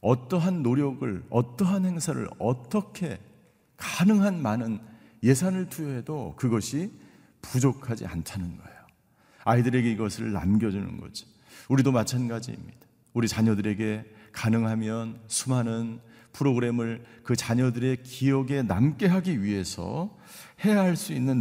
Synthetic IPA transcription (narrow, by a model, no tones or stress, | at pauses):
ʌt͈ʌɦanːoɾjʌɡɯɭʌt͈ʌɦanhe̞ŋsʰaɾɯ̰ɭʌt͈ʌkʰe̞ | kanɯŋɦanmanɯn | je̞sʰanɯɭtʰujʌɦe̞dokɯɡʌɕʰi | pud͡ʑokʰad͡ʑḭa̰ntʰanɯnɡʌ̰ejo | aidɯɾe̞ɡe̞iɡʌsʰɯɭːa̰mɡjʌd͡ʑunɯ̰nɡʌ̰d͡ʑo̥ | uɾidomat͡ɕʰanɡad͡ʑḭːmɲid̥ḁ | uɾit͡ɕaɲʌdɯɾe̞ɡe̞kanɯŋɦamjʌnsʰumɦanɯn | pʰɯɾoɡɯɾe̞mɯɭkɯt͡ɕaɲʌdɯɾe̞kijʌɡe̞namk͈e̞ɦaɡiɥiɦe̞sʰʌ̰ | he̞jaɦaɭs͈uinːɯn